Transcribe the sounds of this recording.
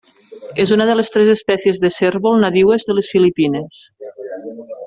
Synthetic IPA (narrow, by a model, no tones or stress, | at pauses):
ezunəðəlest̪ɾɛzəspɛsiezðəserβolˠnaðiwezðəlesfilipines